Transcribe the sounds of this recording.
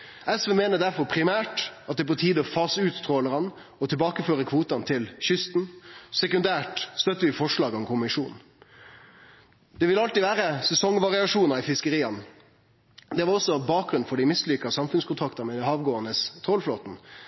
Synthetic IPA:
ʔɛsʋemeːnəd̪æɾfɔɾpʰɾɪmæːʈɑt̪̚d̪ɛp̬ɔt̪ʰiːd̪ɔfɑsʉːt̪st̪ʰʁoːləɾɑn | ɔt̪ʰɪlbɑːkəføːɾəkʰʋuːt̪ɑnt̪ʰɪlɕʏst̪n̩sɛkʉnd̪æːʈst̪œt̪ːəʋɪfɔʂlɑːɡɔmkʰʊmɪʂṵːn̩ | d̪̥ɛʋɪlɑlt̪iʋæːɾəsɛsɔŋʋɑʁɪɑʂuːnəɾɪfɪskəɾiːɑn | d̪ɛʋɑɾɔsːɔbɑːk̚ɡɾʉnfɔɖɪmɪslʏkɑsɑmfʉnskʊnt̪ʰɑkt̪ɑɾmɛd̪ɛhɑːʋɡoːənəst̪ʰʁɔlfloːt̪n̩

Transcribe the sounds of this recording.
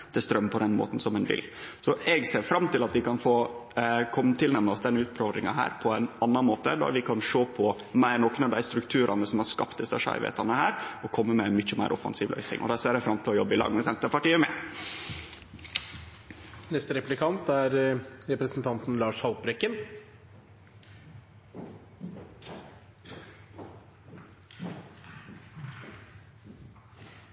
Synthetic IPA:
d̪̥ɛst̪ɾœmːpʰɔd̪ɛnmo̰ːt̪n̩sɔmɛnʋɪ̰lsɔʔɛɡseːɾfɾɑmt̪ɪlɑt̪ʋɪkɑnfoː | kʰɔmːt̪ʰɪlnɛmnəɔsd̪ɛnːəʉːt̪̚pʰɾøːʋd̪ɾɪŋɑɦæ̰ːɾpʰɔɛɪnɑnːɑnmoːt̪əd̪æ̰ɾʋɪkʰɑnʂoːpʰɔ | mæɪɾnɔkːənɑʋd̪æɪst̪ɾʉkt̪ʰʉːɾʔɑnəsɔmhɑɾʂkɑpt̪d̪ɪsɑʂɑ̰ɪʋḛːt̪ʰɑnəhæːɾɔkʰɔmːəmɛnmʏçəmæɪɾʔɔfɑ̰nsiːʋlœ̰ʏsɪ̰ŋʔɔ̰d̪æseːɾɛfɾɑmt̪ʰɪlɔjɔbːɪlɑ̰ːɡmɛsɛnt̪əɾpɑʈiːəmɛ | nɛst̪əɾɛplɪkʰɑnt̪æɾɾɛpɾəsn̩t̪ʰɑnt̪n̩lɑːʂhɑlt̪bɾɛkːən

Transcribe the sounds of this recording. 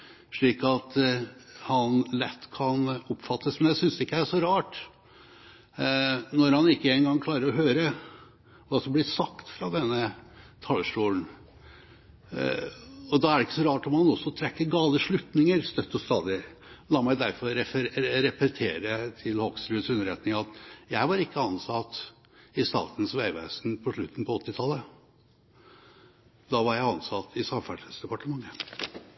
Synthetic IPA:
ʂɭiːkɑt̪ | hɑnlɛt̪ːkʰɑnɔpːfɑt̪ːəsmɛnjæɪsʏnsɪkːəææʂɔɾɑːʈ | nɔɾhɑnɪkːəenɡɑŋːkʰlɑːɾəɾɔɦøːɾə | ʋɑːsɔmblɪsɑkt̪fɾɑd̪ɛnːət̪ʰɑləʂʈuːln̩ | ɔd̪ɑæɖɛɪkːə̥sɔɾɑːʈɔmhɑnɔsːɔt̪ʰɾɛkːəɾɡɑːləʂɭʉt̪nɪŋəɾst̪œt̪ːɔst̪ɑ̰ːd̪ɪ | lɑːmæɪd̪æɾfɔɾɛfɾɾɛpɛt̪ʰeːɾət̪ʰɪlhɔɡsɾʉːəsʉnːəɾɛt̪nɪŋɑt̪jæɪʋɑɾɪkːəɑnsɑt̪ | ɪst̪ɑ̰ːt̪ən̩sʋæɪʋæ̰ːsnpʰɔʂɭʉt̪ːn̩pʰɔɔt̪ːɪt̪ʰɑlːə | d̪ɑʋɑɾjæɪɑnsɑt̪ʰɪsɑmfæəsd̪ɛpɑʈəmɑŋːə

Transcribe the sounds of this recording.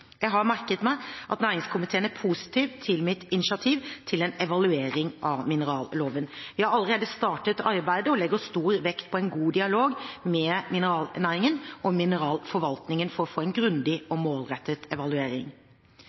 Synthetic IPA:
jæɪɦɑɾmæɾkət̪mæɪʔɑt̪næːɾɪŋskʰʊmɪt̪ʰeːənæɾpʰuːsɪ̥t̪ʰiːʋt̪ʰɪlmɪt̪ɪnɪʃɪɑt̪ʰiːʋt̪ʰɪlɛnɛʋɑlʉeːɾɪŋʔɑʋmɪnəɾɑːlloːʋənʋɪhɑɾɑlːəɾeːd̪əst̪ɑːʈət̪ɑɾbæɪd̪əɔlɛɡəɔst̪uːɾʋɛkt̪̚pʰɔɛnɡuːd̪ɪɑloːɡmɛmɪnəɾɑːlnæːɾɪŋənɔmɪnəɾɑːlfɔɾʋɑlt̪nɪŋənfɔɾɔfoːɛɪnɡɾʉnd̪ɪɔmoːlɾɛt̪ːət̪ɛʋɑlʉeːɾɪ̰ŋ

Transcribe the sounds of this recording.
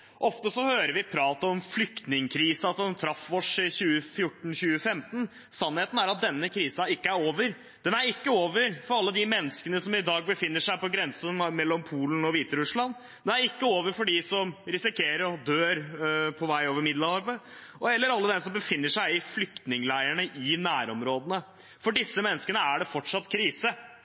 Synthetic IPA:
ʔɔft̪əsɔhøːɾəɾʋɪpʰɾɑːt̪əɔmflʏkt̪nɪŋkʰɾiːsəɑt̪ɛnt̪ʰɾɑfʋɔʂɪçʉːəfjʊʈːn̩çʉːəfɛmt̪n̩ | sɑnːheːt̪n̩æɾɑt̪̚d̪ɛnːəkʰɾiːsɑɪkːəæɾoːʋəɾ | d̪̥ɛnæɾɪkːəoːʋəɾfɔɾɑlːəd̪ɪmɛnːəskənəsɔmɪd̪ɑːɡ̚bəfɪnːəʂæɪpɔɡɾɛnsənmɛlːɔmpʰuːlənɔʋiːt̪əɾʉʂlɑn | d̪ɛnæɾɪkːəoːʋəɾfɔɖɪsɔmɾɪsɪkʰeːɾəɾɔd̪øːɾpʰɔʋæɪoːʋəɾmɪd̪lɑɑɾbə | ɔɛlːəɾɑlːəd̪ɛnsɔmbəfɪnːəʂæɪɪflʏkt̪nɪŋlæɪəɳəʔɪnæːɾɔmɾoːd̪ənə | fɔɖɪsːəmɛnːəskənəæɖɛfɔʈʂɑt̪ːkʰɾiːsə

